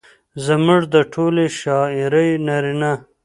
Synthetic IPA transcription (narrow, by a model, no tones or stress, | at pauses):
zəmuʐd̪əʈʰoːleʃɑːiɾəjnaɾina